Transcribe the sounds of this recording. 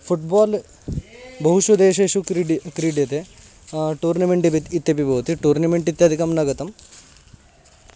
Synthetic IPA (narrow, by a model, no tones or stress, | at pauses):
fʰuʈbaːl | bɐɦuʃʋɐd̪eːʃeːʂukɾiɖkɾiːɖjɐt̪e | ʈuːɾnɐmeɳʈipit̪it̪ːɐpibɐʋɐt̪iʈuːɾnɐmeɳʈit̪ːjɐd̪ʱikɐmnɐɡɐt̪ɐm